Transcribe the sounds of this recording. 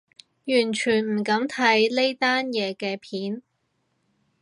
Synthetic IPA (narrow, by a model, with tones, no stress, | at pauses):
jyː˨˩nt͡ʃʰyː˨˩nm̩˨˩kɐ˨˥mt̪ʰɐ˨˥jle˥jt̪aː˥njɛː˨˧kɛː˧pʰiː˨˥n